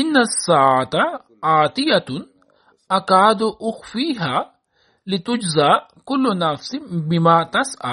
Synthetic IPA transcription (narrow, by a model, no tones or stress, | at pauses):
ʔɪnːasːaːʕat̪a | aːt̪ɪjat̪ | ʔakaːd̪ʔʊxfiːɦaː | lɪt̪ʊd͡ʒza | kʊlːʊnafsɪbɪmaːt̪asʔa̰